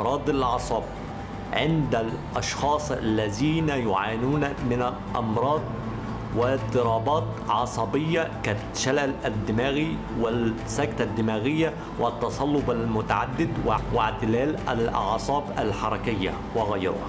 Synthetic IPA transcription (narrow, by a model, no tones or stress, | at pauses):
ɾˤɑːd̪ˤalʕɑsˤɑːb | ʕɪnd̪ælʔɑʃxɑːsˤalːæziːnæjʊʕaːjnuːnamɪnalʔɑ̰mɾˤɑːd̪̚ˤ | wɪt̪ːɨɾˤɑːbɑːt̪ʕɑsˤɑbɪjːaka | ʃallæd̪ːɪmæːɣi | wɪsːækt̪ad̪ːɪmæːɣɪjːa | wʔɪt̪ːɑsˤɑlːʊbalmʊt̪aʕad̪ːɪd̪wwɪʕt̪ɪlæːlalʔɑ̰ʕsˤɑːba̰lħɑɾˤɑkɪjːa̰ | wɪɣajɾʊ̰h